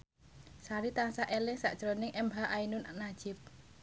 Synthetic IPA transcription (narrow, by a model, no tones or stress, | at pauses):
saɾit̪ansaʔelɪŋsa̰ʔʒ̥əɾonɪŋʔɛmbaʔainʊnanḁʒ̥ɪp̚